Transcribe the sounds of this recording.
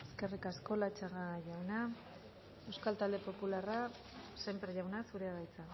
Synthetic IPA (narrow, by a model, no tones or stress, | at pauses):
e̞ske̞rikasko̞lat͡ʃaɣaʝawna | e̞wskalt̪ald̪e̞po̞pulara | sempɾeʝawnasuɾeaβajt͡sa